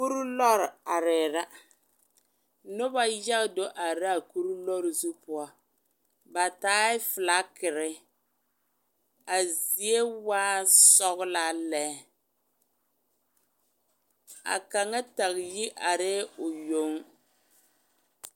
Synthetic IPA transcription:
ku˦ɾu˦lɔ˦ɾa˨ɾɛː˨ɾa˦ | nʊ˦ba˦ja˦ɣdo˦ʔa˨ɾa˦˨ku˦ɾu˦lɔ˦ɾzu˦pʊ˦a˦ | ba˨taː˦ɪ˦fɪ˨la˨˦kɪ˨ɾɪ˦ | a˨zi˨e˦waː˦sɔ˦ɣla˦lɛː˦ | a̰˨ka˨ŋa˦ta˨ɣji˦ʔa˨ɾɛː˦ʊ˨jo˨˦ŋ

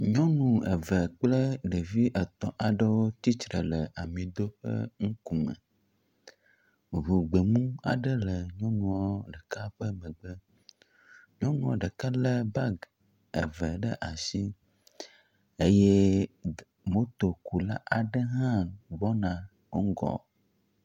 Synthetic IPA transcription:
ɲɔ̃˦nũ˨ə̰˨və˨k͡plə˦ɖe˨vi˦ʔə˨t̪ɔ̃˨ʔa˨ɖə˦wo˦t̪i˦t͡ʃɾə̰˨lə˨a˨mĩ˨d̪o˦ɸə̰˦ŋũ˦ku˨mə̰̃˨ | ɦu˨ɡ͡be˨mũ˦a̰˨ɖə˦lə˨ɲɔ̃˦nũ˨wɔ˦ɖə˨ka˦ɸə˦mə̃˨ɡ͡bə˦ | ɲɔ̃˦nũ˦ɔ˨ɖə˨ka˦lə˦ba˦ɡ | ə̰˨və˨ɖə˦ʔa˨si˦ | e˦jɛ˦ | mo˦t̪o˨ku˨la̰˦ʔa˨ɖə˦ɦã˦ɡ͡bɔ˦nã˨ | wo˦ŋ˦ɡɔ̰˨

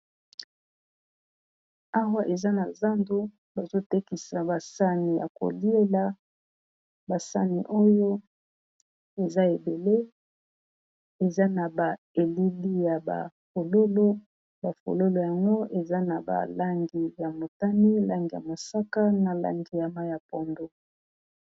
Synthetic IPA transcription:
a˦wa˦ʔe˨za˦na˨za˦ndo˦ | ba˨zo˦te˦ki˨sa˨ba˨sa˦ni˨ja̰˨ko̰˨li˦e˦la˨ | ba˨sa̰˦ni˨ʔo˦jo˦ | e˨za˦e˨be˨le˦ | e˨za˦na˨ba˨ | e˨li˦li˦ja˨ba̰˨fo˨lo˦lo˦ | ba˨fo̰˨lo˦lo˨ja˨ŋɡo˦ʔe˨za˦na˨ba̰˨la˦ŋɡi˨ja˨mo˨ta˦ni˦la˦ŋɡi˨ja˨mo˨sa˦ka˦na˨la̰˦ŋɡi˨ja˦ma˦ja˨po˨ndo˦

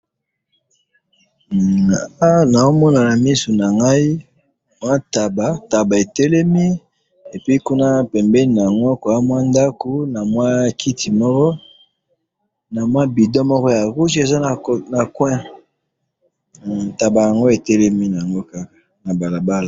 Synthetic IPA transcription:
a˦na˨o˦mɔ˦na˨na˨mi˦su˨na˨ŋɡa˦i˦ | mwa˦ta˨ba˨ta˨ba˨e˨tɛ˦lɛ˦mi˦ | e˨pi˦ku˦na˦pɛ˨mbɛ˦ni˨na˨ŋɡɔ˦ko˨a˦mwa˦nda˦ko˨na˨mwa˦kʰi˦ti˨mɔ˦kɔ˦ | na˨mwa˦bi˨dɔ˦mɔ˦kɔ˦ja˨ʁu˦ʒi˦e˨za˦˨na˨kwɛ̃˦˨ | ta˨ba˨ja˨ŋɡo˦e˨tɛ˦lɛ˦mi˦n˨a˨ŋɡo˦ka˦a˨ | na˨ba˨la˨ba˦la˨

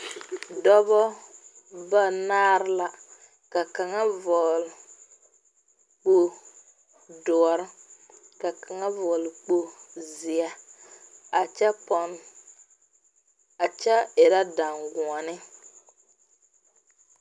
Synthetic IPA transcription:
dɔ˦bɔ˦ | ba˦naː˦ɾɪ˦la˨ | ka˨ka˨ŋa˦vɔ˨l | k͡po˨ | dɔ˨ɔ˨ɾɪ˦ | ka˨ka˨ŋa˦vɔ˨lk͡po˨zɪ˨a˨ | a˨t͡ʃɛ˦pɔ˨n | a˨t͡ʃɛ˦ɪ˨ɾa˦da˨ŋɡu˨ɔ˨nɪ˦

